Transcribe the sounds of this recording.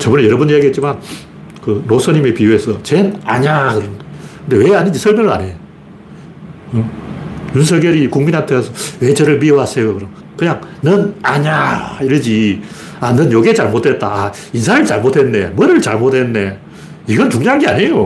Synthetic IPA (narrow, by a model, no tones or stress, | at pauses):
t͡ɕʌbunejʌɾʌbunijaɡiɦett͡ɕiman | kɯnosʰʌɲime̞piuesʰʌt͡ɕenaɲakɯɾʌnkʰɯnde̞weaɲind͡ʑisʰʌɭmjʌŋɯɭa̰ɲej | ɯjuns̬ʰʌɡjeɾikuŋminɦantʰeasʰʌwe̞t͡ɕʌɾɯɭmiowɦasʰejokɯɾʌ | kɯɲaŋnɯnaɲaiɾɯd͡ʑi | anɯnjoɡet͡ɕaɭmot̚ʰe̞t̚t͈aa | insʰaɾɯɭt͡ɕaɭmotʰhe̞nːemʌɾɯɭt͡ɕaɭmotʰennːe̞ | iɡʌnt͡ɕuŋɲoɦaŋɡea̰ɲe̞jo